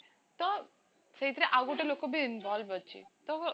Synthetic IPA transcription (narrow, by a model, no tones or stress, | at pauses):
t̪ɔ | səit̪ɾeʔaɡuʈelokobʱiɪnbɔlbət͡ʃʰḭt̪ɔ